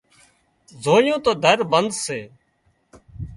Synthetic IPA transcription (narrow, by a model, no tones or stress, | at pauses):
zoːjõːt̪oːd̪ʱəɾbənd̪seː